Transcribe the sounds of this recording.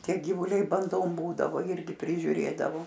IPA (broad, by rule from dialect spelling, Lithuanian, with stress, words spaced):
ˈtʲiɛ ɡʲiːʋuːˈlʲɛɪ bɐnˈdoːm ˈbuːdɐʋoː ˈɪrʲɡʲɪ pʲrʲɪʒʲʊˈrʲeːdɐʋoː